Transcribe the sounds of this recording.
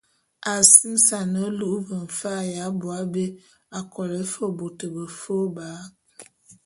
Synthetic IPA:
a˨si˦m˦sa˨nə˨˦lu˦ʔu˦bə˨ɱ̩˨fa˦˨ja˨˦bʊ˨a˨˦be˦ | a˨kɔ˨ɾe˨˦fo˦˨bo˨tə˨bə˨fo˦ba˨˦

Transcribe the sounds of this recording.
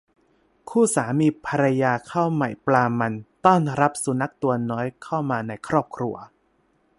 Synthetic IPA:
kʰuː˥˩saː˩˦miː˧pʰa˧ɾa˧jaː˧kʰa˥˩wma˨˩jplaː˧ma˧nt̪ɔː˥˩nɾa˦˥p̚su˩˦na˦˥k̚t̪u˧ɐnɔː˦˥jkʰa˥˩wmaː˧na˧jkʰɾɔː˥˩p̚kʰɾu˧ɐ

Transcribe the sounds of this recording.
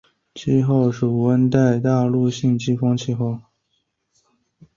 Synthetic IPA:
t͡ɕʰi˥˧xo˥˩ʊʂu˨˩wə˥nt̪a˥˧ɪt̪a˥˧lu˥˧ɕi˥˧nt͡ɕi˥˩fɑ˥ŋt͡ɕʰi˥xo˥˩ʊ

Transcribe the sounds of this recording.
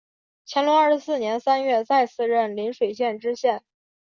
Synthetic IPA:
t͡ɕʰjɛ˧˥nlu˧˥ɐ˞˥˩ʂ̩˧˥sɹ̩˥˩njɛ˧˥nsa˥nɥɛ˥˧t͡sa˥˧ɪt͡sʰɹ̩˥˧ɻə˥˩nli˧˥nʂwe˨˩ɪɕ̬jɛ˥˩nʈ͡ʂɻ̩˥ɕjɛ˥˩n

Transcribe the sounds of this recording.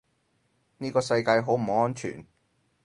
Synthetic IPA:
niː˥kɔː˧sɐ˧jkaː˧jɦo˨˥wm̩˨˩o˨˥ŋɔː˥nt͡ʃʰy̰ː˨˩n

